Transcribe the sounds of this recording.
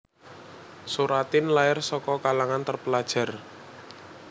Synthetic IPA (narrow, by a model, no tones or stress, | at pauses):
suɾat̪ɪnlaɪrsɔkɔkalaŋant̪ərpəlad̥ʒ̥a̤r